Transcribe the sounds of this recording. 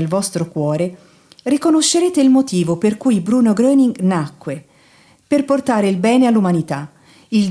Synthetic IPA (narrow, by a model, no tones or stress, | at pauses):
elvɔst̪ɾokwɔːɾe | rikonoʃːeɾeːt̪eilmot̪iːvoperkujbɾuːnoɡɾøːniŋɡnakːwe | perport̪aːɾeilbɛːnealːumanit̪a | il